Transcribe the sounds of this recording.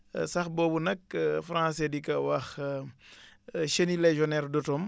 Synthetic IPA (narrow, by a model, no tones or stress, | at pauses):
sɐxbɔːbunɐkfɾãsɛdikɐwɐx | ʃenilɛʒɔnɛrdɔtɔm